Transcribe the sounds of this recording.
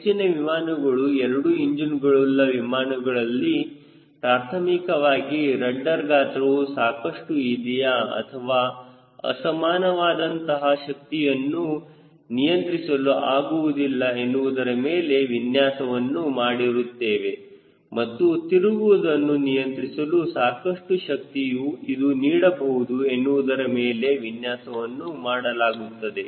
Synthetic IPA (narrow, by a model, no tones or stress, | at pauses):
t͡ʃineʋimaːnɐɡɐɭuɛɾɐɽuiɲd͡ʒinɡɐɭlːɐʋimaːnɐɡɐɭɐlːi | pɾaːɾt̪ʰɐmikɐʋaːɡiɾɐɳːɐɾɡaːt̪ɾɐʋusaːkɐʂʈuid̪ijaɐ̰t̪ʰɐʋaː | ɐ̰sɐmaːnɐʋaːd̪ɐnt̪ɐɦɐʃɐk̚t̪ijɐnːu | nijɐnt̪ɾisɐluʔaːɡuʋud̪ilːɐe̞nːuʋud̪ɐɾɐmeːle̞ʋinjaːsɐʋɐnːumaːɽiɾut̪ːeːʋe̞ | mɐt̪ːut̪iɾuɡuʋud̪ɐnːunijɐnt̪ɾisɐlusaːkɐʂʈuʃɐk̚t̪ijuid̪uniːɽɐbɐɦud̪ue̞nːuʋud̪ɐɾɐmeːle̞ʋinjaːsɐʋɐnːumaːɽɐlaːɡut̪ːɐd̪e̞